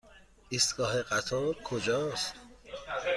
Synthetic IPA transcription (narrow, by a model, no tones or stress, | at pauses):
ʔist̪ɡ̥ɒːɦeɢæt̪ʰɒɾkʰod͡ʒɒːst̪